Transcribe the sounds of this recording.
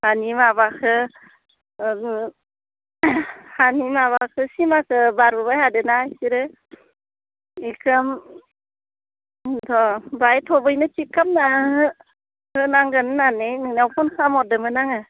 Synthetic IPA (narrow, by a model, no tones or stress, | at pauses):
hanimabakʰɯ | hanimaβakʰɯsimakʰɯbaɾbɯbajhadɯnajsiɾɯ | ikʰɯm | tʰɔbajtʰɔbɯjnɯt͡ʃikːamnahɯ | hɯnaŋɡɯnnanejnɯŋnawpʰɔnkʰamɔdɯmɯnaŋɯ